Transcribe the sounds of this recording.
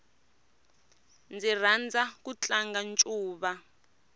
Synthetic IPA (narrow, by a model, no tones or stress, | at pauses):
nd͡zir̤and͡zʱak̬ut͡ɬʼaŋɡant͡ʃʼuːɓa